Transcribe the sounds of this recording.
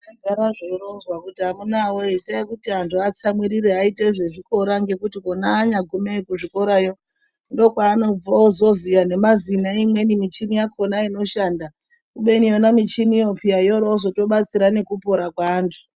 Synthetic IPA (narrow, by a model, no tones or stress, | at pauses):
aɡʱaɾaʐeronzwakutiɦamunawoetaikutiɦantʰuat͡samwiɾiɾeɦaiteʐe̞ʐiko̞ɾaŋɡe̞kutikonaːɲaɡʱumekuʐiko̞ɾajo̞ | ndo̞ːkwaːno̞b͡vaozo̞zijane̞mazinaimwe̞nimit͡ʃinijakʰo̞naino̞ʃaːnda | kuɓe̞nionamit͡ʃinijo̞pʰijaijoɾoozo̞to̞ɓat͡siɾane̞kupo̞ɾakwaːntʰu̥